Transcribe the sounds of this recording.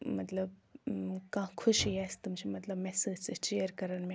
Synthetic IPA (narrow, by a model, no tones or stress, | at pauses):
mɐt̪lɐb | kãːkʰʊʃiast̪umt͡ʃʰimɐt̪lɐbmɛsed͡ʒt͡sɨt͡ʃejəɾkɐɾɐnmẽ